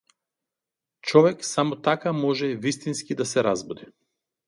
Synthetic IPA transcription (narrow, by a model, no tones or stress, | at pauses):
t͡ʃɔvɛksamɔt̪akamɔʒɛvist̪inskid̪asɛɾazbɔd̪i